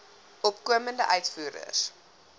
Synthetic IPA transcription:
ʔɔpkuəməndəʔœɥtfuːɾə̰s

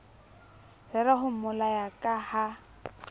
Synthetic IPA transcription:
rɛɾaɦʊm̩mʊlajakʼaha

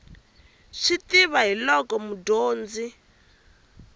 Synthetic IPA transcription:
ʂitiβaɦilɔkɔmudoːnd͡zi

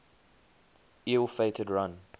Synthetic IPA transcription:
ilˠfeɪtʰədɹãn

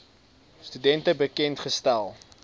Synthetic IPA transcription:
stydɛntəbəkɛntχəstælˠ

